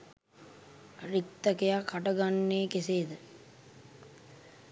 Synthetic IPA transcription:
rik̚t̪ɐkejakːaʈɐɡanːeːkeseːd̪ə

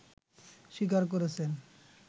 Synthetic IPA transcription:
ʃik̬aɾk̬oɾet͡ɕʰen

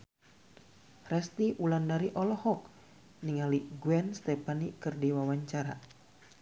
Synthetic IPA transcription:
rɛst̪iʔulandaɾiʔɔlɔhɔk̚ | niŋaliɡuɛnst̪ɛpanikɨrdiwawaɲt͡ʃaɾa̰

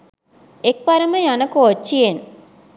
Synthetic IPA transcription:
ek̚pɐɾɐmɐjɐnɐkːoot͡ʃːijen

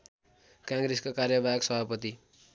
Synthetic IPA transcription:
kãŋɡɾeskakarjʌbajʌksʌbʱapʌt̪i

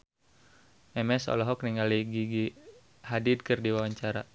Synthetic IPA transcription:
mɛmɛsɔ̰lɔɦɔk̚niŋɡaliɡiɡi | hadid̚kɨrdiwawaɲt͡ʃaɾa

